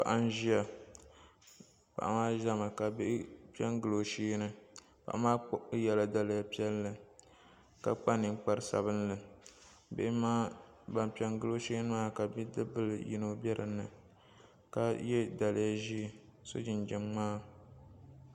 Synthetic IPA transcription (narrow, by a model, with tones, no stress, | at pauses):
pa̰˨ʔa˦n˦ʒi˦a˨ | pa̰˨ʔa̰˨maː˦ʒa˦mɨ˨ka˨bɪ˦ʔpi˦ɛ˦ŋɡɨ˦lo˨ʃiː˦nɨ˨ | pa̰˨ʔa˨˦maː˦jɛ˨la˦da˨lɨ˨ja˨pi˦ɛ˦lːɨ˨ | ka˨k͡pa˦nɨ˨ŋk͡pa˦ɾɨ˦sa̰˨βɨ˦nlɨ˨ | bɪ̰˦ʔɪ˦maː˦ | ba˨n˨pi˨ɛ˦ŋɡɨ˦lo˦ʃi˦nɨ˦maː˦ka˨bi˦dɨ˦bɨ˦ljḭ˦no˦bʲɛ˦ɾʔɨ̰˨nːɨ˨ | ka˦jɛ˦da˨lɪ˦ja˦ʒi˦˨so̰˦d͡ʒɪ˨nd͡ʒɛ˨mŋ͡maː˦